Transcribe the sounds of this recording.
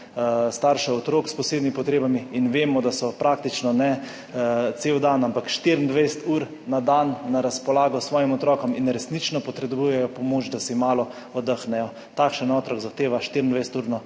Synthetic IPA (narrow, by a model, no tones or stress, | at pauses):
st̪aɾʃɛɔt̪ɾoːkspɔseːd̪nimipɔt̪ɾeːbamiːnʋeːmɔd̪asɔpɾʔak̚t̪it͡ʃnɔnɛ | t̪seːwd̪anampakʃt̪iɾnd̪ʋɛjsɛ̥t̪uːɾ | nad̪anːaɾaspɔlaːɡɔsʋɔːjimɔt̪ɾɔːkɔminɾɛsnit͡ʃnɔpɔt̪ɾɛbujɛjɔpɔmoːt͡ʃd̪asimaːlɔ | ɔd̪əxnɛjɔ | t̪akʃɛnɔt̪ɾɔɡzaxt̪eːʋaʃt̪iɾind̪ʋɛjsɛt̪uːɾna